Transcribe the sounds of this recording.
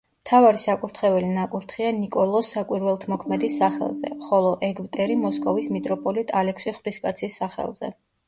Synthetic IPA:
mt̪ʰavaɾisakʼuɾt̪ʰχɛvɛlinakʼuɾt̪ʰχianikʼɔlˠɔsːakʼwiɾvɛlˠt̪ʰmɔkʰmɛd̪isːaχɛ̰lˠzɛ̰χɔlˠɔʔɛɡvt̪ʼɛɾimɔskʼɔvismit̪ʼɾɔpʼɔlit̪ʼalɛkʰsiχwd̪iskʼat̪sʰisːaχɛ̰lˠz̥ɛ̰

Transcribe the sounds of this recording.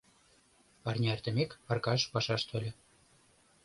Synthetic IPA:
pɑrnʲeert̪ə̆mekpɑrkɑʃpɑʃɑʃt̪ʰŏlʲĕ

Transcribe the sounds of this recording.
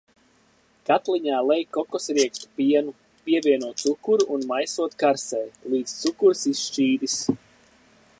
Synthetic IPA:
kat̪liɲaːlˠɛjkɔkɔsɾiɛkst̪u̥piɛnu | piɛvʲiɛnuɔt̪sukuɾuʔːnmajsuɔt̪kaɾsɛjlˠiːd̪st̪sukuɾsisʃt͡ʃiːd̪is

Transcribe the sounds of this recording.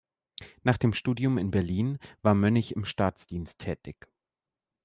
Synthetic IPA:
naːχd̥eːmʃtuːdjʊmɪnbɛɐliːnvaːɐmœnɪçɪmʃtaːt͡sd̥iːnstʰːɛːtɪç

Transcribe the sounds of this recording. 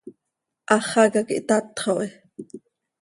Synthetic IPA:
ʔɑχɑkɑkḭʔt̪ɑt̪χoʔi

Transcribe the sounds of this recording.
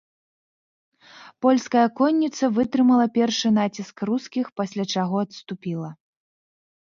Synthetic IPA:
pɔlʲskɐjɐkɔnʲːit̪sɐvɨt̪ɾɨmɐlˠɐpʲɛrʂɨn̪at͡sʲiskruskʲixpasʲlʲat͡ʂaɣɔɐt̪st̪upʲilˠɐ

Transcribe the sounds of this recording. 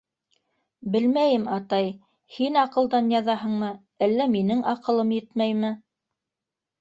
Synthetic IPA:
bɘlmæjɘmɑt̪ɑj | hinɑqɤ̆lˠd̪ɑnjɑðɑɦɤ̆ɴmɤ | ælːæminɘŋʔɑqɤ̆lˠɤmjɘt̪mæjmɘ

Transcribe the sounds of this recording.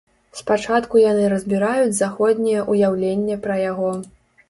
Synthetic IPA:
spat͡ʂat̪kujanɨɾɐzʲbʲiɾajud͡zʲzaxɔd̪ʲnʲɛjɛʔujawlʲenʲːɛpɾɐjaɣɔ

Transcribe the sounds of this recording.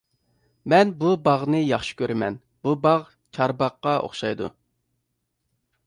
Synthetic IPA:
mɛnbubɑʁnɨjɑχʃi̥kʲøɾɪmɛ̰n | b̥ubɑʁ | t͡ʃʰɑɾbɑqːɑo̰χʃɑjd̪ṵ

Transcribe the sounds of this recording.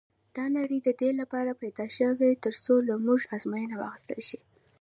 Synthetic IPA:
d̪̥ɑnaɾid̪əd̪elapɑɾapajd̪ɑʃəwet̪əɾsolamuʒɑzmɑjənawɑ̰xɪst̪əlʃi

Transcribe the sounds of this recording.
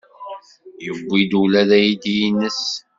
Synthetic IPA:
jəbʷːid̪ulæðæjid̪ijinːəs

